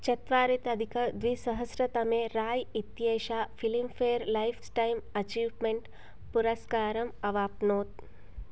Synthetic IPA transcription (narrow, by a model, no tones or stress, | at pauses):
t͡ʃɐt̪ʋaːɾit̪ɐd̪ʱikɐd̪ʋisɐɦɐsɾɐt̪ɐmeːɾaːjit̪jeːʃaːfilimfeːɾlɐjfʰsʈɐjmɐt͡ʃiːʋmeɳʈ | puɾɐskaːɾɐmɐʋaːpnoːt̪̚